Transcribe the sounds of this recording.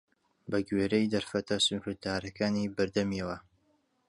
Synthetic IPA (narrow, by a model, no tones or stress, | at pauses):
bɐɡweːɾejd̪ɐɾfɐt̪ɐsuɾɨd̪aːɾɐkaːniːbɨɾd̪ɐmiɐwɐ